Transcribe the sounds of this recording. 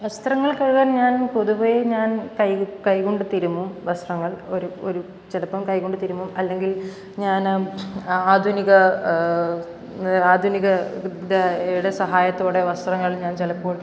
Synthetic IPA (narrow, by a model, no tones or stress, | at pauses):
ʋɐst̪rɐŋːɐɭkɐɻuɣaːnɲaːnpo̞ðuboːjeɲaːnkɐjkɐjkoɳɖɨt̪iɾumːumʋɐst̪rɐŋːɐɭo̞ɾuoɾu | t͡ɕelɐpːɐmkɐjkoɳɖɨt̪iɾumːumɐlːe̞ŋɡil | ɲaːn | aːd̪ʱuniɣɐ | aːd̪ʱuniɣɐdeeɽɐsɐɦaːjɐt̪ːoːɽeʋɐst̪rɐŋːɐɭɲaːnt͡ɕelɐpːoːɭ